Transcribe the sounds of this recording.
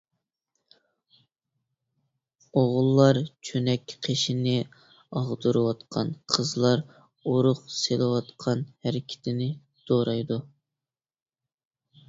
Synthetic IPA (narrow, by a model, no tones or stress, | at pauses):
oʁʊlˠːɑɾt͡ʃʰønɛkʲqʰeʃinɪ | ɑʁd̪uɾɨwɑt̪qʰɑ̰nqʰəzlˠɑɾ | uɾʊqselˠɪwɑt̪qʰɑnhæɾɪkʲʰɪ̥t̪ʰɪnɪ | d̪̥oɾɑjd̪u